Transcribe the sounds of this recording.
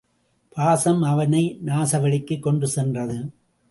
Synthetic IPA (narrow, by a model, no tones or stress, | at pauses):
pʰaːsɐmɐʋɐnɐɪnaːsɐʋɐɭɪkːɯkːɔɳɖɯsɛndrɐðɯ